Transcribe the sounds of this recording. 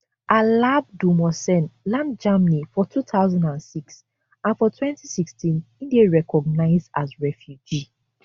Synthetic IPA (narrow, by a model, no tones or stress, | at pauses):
ʔalab̚dumɔsɛ̃nlãndd͡ʒamnifɔtʰutaʊzãndãnsiks | ãnfɔtʰwɛ̃ntisikstʰĩnĩndeɹɛkɔɡ̚naɪzdazɹɛfjud͡ʒi